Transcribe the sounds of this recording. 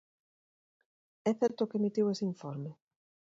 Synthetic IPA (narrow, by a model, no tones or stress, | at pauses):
ɛθɛɾt̪ʊkemit̪iwesiɱfɔɾme